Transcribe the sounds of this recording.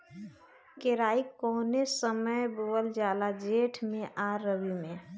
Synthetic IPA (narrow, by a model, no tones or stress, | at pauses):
keɾaːikːɔːnesəməjbowəld͡ʒaːlad͡ʒeːʈʰmẽʔaːɾəʋimẽ